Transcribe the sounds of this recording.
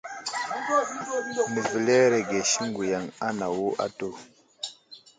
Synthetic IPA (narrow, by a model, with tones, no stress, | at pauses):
mə˨vi˨le˦ɾe˨ɡe˨ʃi˦ŋɡu˨ja˨ŋa˦na˨wo˦ʔa̰˦to˨